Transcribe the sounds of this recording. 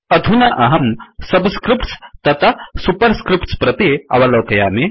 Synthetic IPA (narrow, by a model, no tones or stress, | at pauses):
ɐd̪ʱunɐʔɐɦɐmsɐbskɾɪpʈst̪ɐt̪ʰɐsupɐɾskɾipʈspɾɐt̪eɐ̰ʋɐlɐːkɐjaːme